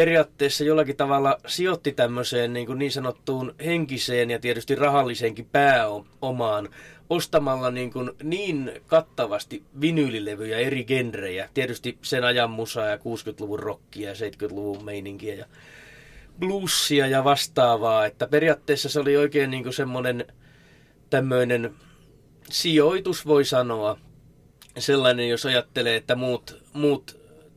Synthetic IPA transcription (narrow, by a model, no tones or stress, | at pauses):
periɑːt̪ːeːsːɑjolːɑkit̪ɑʋɑlːɑsiot̪ːit̪æmːøseːnniːŋkunniːnsɑnot̪ːuːnheŋkiseːnjɑt̪iet̪yst̪irrɑhɑlːiseːŋkipæːoomɑːnost̪ɑmɑlːɑniːŋkunniːnkɑt̪ːɑʋɑst̪iʋinylileʋyjæeriɡenrejæt̪iet̪yst̪isenɑjɑmːusɑːjɑkuːskyt̪luʋurrokːiɑjɑseit̪kyt̪luʋummeiniŋkiæjɑ | pluːsːiɑjɑʋɑst̪ɑːʋɑːet̪ːæperiɑːt̪ːeːsːɑseolioikeːnniːŋkusemːonen | t̪æmːøinen | sioit̪usʋoisɑnoɑ | selːɑinenjosɑjɑt̪ːeleːet̪ːæmuːt̪muːt̪